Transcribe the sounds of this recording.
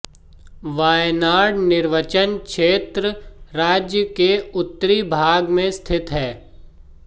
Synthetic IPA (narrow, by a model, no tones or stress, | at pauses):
ʋaːjnaːɽnɪɾʋət͡ʃənkʃeːt̪ɾəɾaːd͡ʒjəkeʊt̪ːəɾibʱaːɡmẽst̪ʰɪt̪ɦɛː